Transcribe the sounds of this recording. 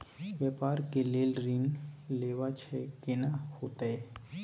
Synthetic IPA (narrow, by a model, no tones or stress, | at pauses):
ʋjepaːɾkeleːlɾɪnleːʋat͡ʃʰɛkenahoːt̪aɦɛ